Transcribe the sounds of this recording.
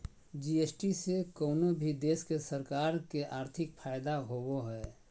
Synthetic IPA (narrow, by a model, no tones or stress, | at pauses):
d͡ʒieːsʈisekoːnobʱid̪eːskesəɾkaːɾkeʔaːɾt̪ʰɪkpʰaːjɪd̪aɦoːwoɦɛː